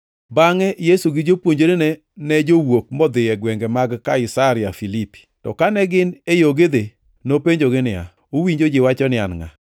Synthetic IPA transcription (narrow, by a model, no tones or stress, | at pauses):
baŋɛjesuɡɪd͡ʒopwoɲd͡ʒoɾɪnɛ | nɛd͡ʒowok̚mɔd̪ɪjɛɡwɛŋɡɛmaɡkaɪsaɾɪafilipi̥tɔ̰kanɛɡɪnejoɡed̪e | nopeɲd͡ʒoɡɪnɪa̰ | owiɲd͡ʒod͡ʒɪwat͡ʃɔnɪanŋa̰